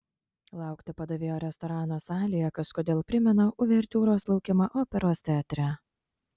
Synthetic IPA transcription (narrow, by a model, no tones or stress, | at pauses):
lˠɑˑʊkt̪ʲɪpɐd̪ɐʋʲeːjoːɾʲɛst̪ɔɾɑːnoːsɑːlʲɪjɛkɐʃkod̪ʲeːlˠpʲɾʲɪmʲɛnoʔʊʋʲɛɾʲt̪ʲuːɾoːslˠɐʊkʲɪmɑʔoːpʲɛɾoːsʲt̪ʲæːt̪ʲɾʲæ